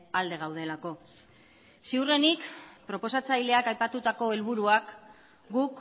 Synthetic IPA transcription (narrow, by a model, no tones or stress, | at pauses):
ald̪e̞ɣ̞awð̞e̞lako̞ | siwre̞nikpɾo̞po̞sat͡sajle̞akajpat̪ut̪ako̞e̞lβ̞uɾuak | ɡuk